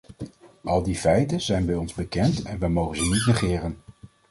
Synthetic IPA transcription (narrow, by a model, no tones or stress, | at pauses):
ʔɑlˠdifɛjtənzɛjnbɛjɔnzbəkɛntɛnʋɛjmowχənzənitnəχɪːrən